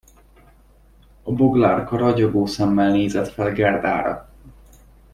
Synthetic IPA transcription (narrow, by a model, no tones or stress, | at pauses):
ɒbo̞ɡlaːrkɒɾɒɟoɡoːsɛmːɛlneːzɛt̪fɛlɡɛrd̪a̰ːɾɒ̰